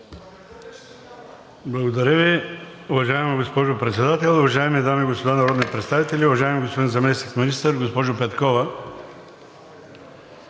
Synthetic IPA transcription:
blˠɐɡod̪ɐɾʲəviʊvɐʒaɛmɐɡospɔʒʊpɾɛt̪sɛd̪at̪ɛlˠʊvɐʒajmid̪amiːɡospod̪anɐɾɔd̪nipɾɛt̪st̪avit̪ɛlʲiʊvɐʒaɛmiɡospod̪inzɐmɛsnikminist̪əɾɡospɔʒʊpɛt̪kɔvɐ

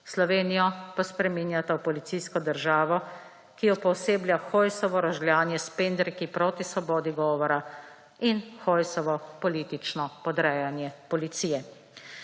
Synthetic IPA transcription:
slɔʋeːnijɔpaspɾɛmiːnjat̪awpɔlit̪siskɔd̪əɾʒaːʋɔ | kijɔpɔwseːbljaxɔjsɔʋɔɾɔʒljaːnjɛspend̪ɾikipɾɔt̪isʋɔbɔːd̪iɡɔːʋɔɾa | inxɔjsɔʋɔpɔliːt̪it͡ʃnɔpɔd̪ɾɛːjanjɛpɔlit̪siːjɛ

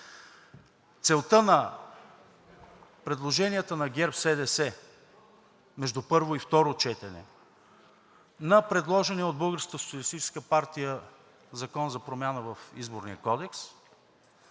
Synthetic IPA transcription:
t̪sɛlˠt̪ɤnɐ | pɾɛd̪lˠoʒɛnijət̪ənɐɡʲɛɾpsɛd̪ɛsɛ | mɛʒd̪upɤɾvoift̪ɔɾot͡ʃɛt̪ɛnɛ̰ | nɐpɾɛd̪lˠɔʒɛnɛod̪̚bɤlˠɡəɾskəso̥t̪sʲiɐlist̪it͡ʃɛ̥skəpaɾt̪ijə | zɐkɔnzɐpɾomʲjanəvɐfizboɾnijəkɔd̪ɛks

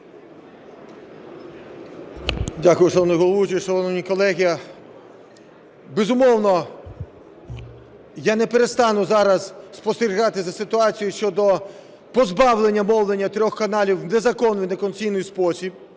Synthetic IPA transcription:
dʲakʊjʊʂɔɔnʊjɦɔlˠɔʋut͡ʃiʃɔlˠɔnɔnʲikɔlˠɛɦʲiɐ | bezʊmɔwnɔ | janɛpeɾest̪ɑnʊzɑɾɐzspɔst̪eɾʲiɣɑt̪ɪzɐsɪt̪ʊɑt͡sʲijʊʃt͡ʃɔd̪ɔ | pɔzbɑwlˠenʲːɐmɔwlˠenʲːɐt̪ɾʲɔxkɐnɑlʲiwnezɐkɔnʋɪjnekɔnt͡sʲijnɪjspɔsʲib̚

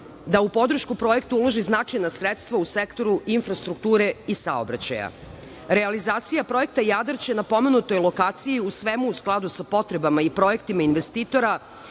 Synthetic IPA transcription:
d̪aupo̞d̪ɾ̩ʃkupɾo̞je̞kt̪uulo̞ʒiznat͡ʃajnasɾet̪st̪ʋausekt̪o̞ɾuinfɾast̪ɾuk̚t̪uːɾe̞isa̰obɾa̰t͡ɕa̰ja̰ | ɾealizaːt̪sijapɾo̞je̞k̚t̪ajad̪ɾ̩t͡ɕenapo̞me̞nut̪o̞jlˠo̞kaːt̪sijiusʋemuusklˠad̪usapo̞t̪ɾe̞bamaipɾo̞jekt̪imainʋest̪iːt̪o̞ɾa

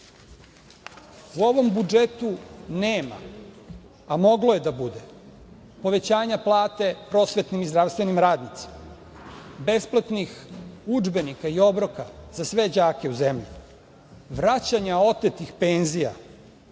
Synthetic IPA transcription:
uo̞ʋo̞mbud͡ʒe̞t̪uneːma̰ː | mo̞ɡlo̞je̞d̪abud̪e̞ | po̞ʋe̞t͡ɕaːɲaplˠaːt̪e̞pɾo̞sʋe̞t̪nimizd̪ɾaʋst̪ʋe̞nimɾaːd̪nit̪si̥ma | be̞splˠat̪nixud͡ʒbe̞nikaio̞bɾo̞kazasʋe̞d͡ʑaːke̞uzemʎḭ | ʋɾat͡ɕaɲao̞t̪et̪ixpenzija̰

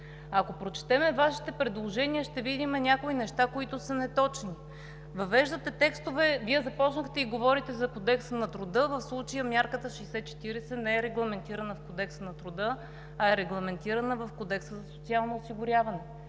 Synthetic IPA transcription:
ɐkopɾot͡ʃɛ̥t̪ɛmɛvaʃi̥t̪ɛpɾɛd̪lˠoʒɛniəʃt̪ɛvid̪imɛnʲakoinɛʃt̪akoit̪ʊsɐnɛt̪ɔt͡ʃni | vɐvɛʒd̪ət̪ɛt̪ɛkst̪ʊvɛviɛzɐpɔt͡ʃnəxt̪ɛiɡovɔɾit̪ɛzɐkod̪ɛksənɐt̪ɾʊd̪ɤvəfslˠut͡ʃəjəmʲjaɾkət̪əʃəjsɛt̪̚t͡ʃɛ̥t̪iɾɛsɛnɛɛɾɛɡlˠɐmɛnt̪iɾɐnəfkod̪ɛksənɐt̪ɾʊd̪ɤ | ɐɛɾɛɡlˠɐmɛnt̪iɾɐnəvɐfkod̪ɛksəzɐso̥t̪sialˠnoːsiɡʊɾʲjavɐnɛ

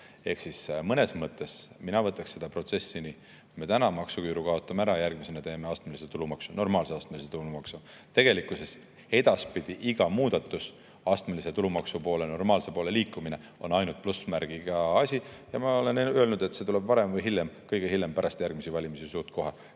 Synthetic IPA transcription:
e̞hksismɤne̞smɤt̪ːˑe̞sminɑvɤt̪ːˑɑksse̞d̪̥ɑpro̞t̪se̞sːini | kujme̞t̪ænɑmɑksukyːɾuɡ̥kɑo̞t̪ːˑɑmeæɾɑjærɡ̥mise̞nɑt̪e̞ːmeɑst̪meliset̪ulumɑksuno̞rmɑːlseɑst̪meliset̪ulumɑksu | t̪e̞ɡ̥e̞likːˑuse̞s | e̞d̪̥ɑspid̪̥iʔiɡ̥ɑmuːd̪̥ɑt̪ːˑus | ɑst̪melise̞t̪ulumɑksupo̞ːleno̞rmɑːlse̞po̞ːle̞liːkːˑumine̞ | o̞̰nɑjnult̪̚plusmæɾɡ̥iɡ̥ɑɑsʲijɑmɑo̞le̞nølnud̪e̞t̪se̞t̪ule̞b̥vɑɾe̞mvɤjɦiljemkɤjɡ̥ehiljempæɾɑst̪jærɡ̥misivɑlʲimisisuːt̪ko̞ɦe

